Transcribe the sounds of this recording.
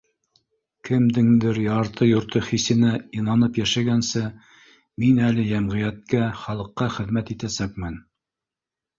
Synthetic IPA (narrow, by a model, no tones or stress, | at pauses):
kɘ̆md̪ɘŋd̪ɘɾjɑɾt̪ɤjŏɾt̪ɤχisɘ̆næinɑnɤpjæʃæɡænsɘ | minælɘjæmʁɘ̆jæt̪̚kæχɑlˠɤ̆qːɑχɘ̆ðmæt̪it̪æsæk̚mɘn